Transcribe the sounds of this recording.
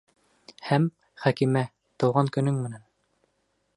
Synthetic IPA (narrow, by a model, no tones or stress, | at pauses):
hæm | χækimæ | t̪ɤ̆wʁɑŋkɵ̆nɵŋmɘ̆næn